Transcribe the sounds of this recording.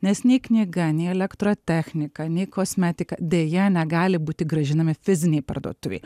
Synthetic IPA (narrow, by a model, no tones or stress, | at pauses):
nʲɛsnʲɛɪknʲɪɡɐnʲɛɪɛlʲɛkt̪ɾoːt̪ʲɛːxʲnʲɪkɐnʲɛɪkosʲmʲɛt̪ʲɪkɐd̪ʲeːjɛnʲɛɡɑːlʲɪbuːt̪ʲɪɡɾɐʒʲɪnɐmʲɪfʲɪzʲɪnʲɛɪpɐ̰rd̪o̰ːt̪ʊʋʲɛ̰ɪ